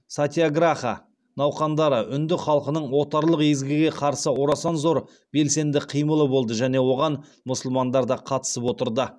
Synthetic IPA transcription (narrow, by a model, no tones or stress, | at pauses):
sat̪ʲiaɡraχa̰ | nɑwqɑnd̪ɑɾəʔʏnd̪ɪχɑlˠqənəɴwo̞t̪ɑɾlˠəqezɡʲɪɡʲe̞qʰɑɾsəwoɾɑsɑnzo̞ɾ | b̥e̞lse̞nd̪ɪqʰijməlˠəbo̞lˠd̪əʒæne̞wo̞ʁɑn | mʊsəlˠmɑnd̪ɑɾd̪ɑqʰɑt̪ə̥səpwot̪əɾd̪ə